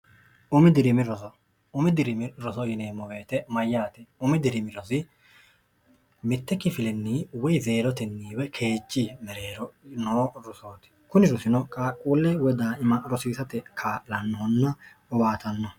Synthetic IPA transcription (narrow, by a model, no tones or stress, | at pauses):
ʔʊmɪd̪ɪɾɪmɪɾɔsɔ | ʊmɪd̪ɪɾɪmɪɾɔsɔjɪneːmːɔɡeːt̪ɛmɐjːaːt̪ɛʊmɪd̪ɪɾɪmɪɾɔsɪ | mɪt̪ːɛkːɪfɪlɛnːiːwɔjze̞ːɾɔt̪ɛnːiːwɛkʰe̞ːd͡ʒːimɛɾeːɾɔnoːɾʊsoːt̪ɪ̥kʊnɪɾʊsɪnɔkʼakʼuːlːɛwɔd̪aːɪmɐɾɔsiːsɐt̪ɛkʰaːlɐnːɔɔnːɐ | ʊbaːt̪ɐnːɔ